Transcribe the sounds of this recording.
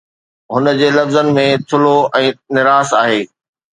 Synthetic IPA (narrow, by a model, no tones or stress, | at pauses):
ɦʊnə̆d͡ʑeːlɐfzənɪ̆mẽt̪ʰʊloʔɛ̃ːnɪɾaːsaːɦeː